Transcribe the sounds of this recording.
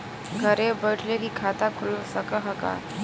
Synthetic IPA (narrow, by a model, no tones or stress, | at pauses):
ɡʱəɾebəʈʰlekikʰaːt̪akʰʊlsəkəɦəka̰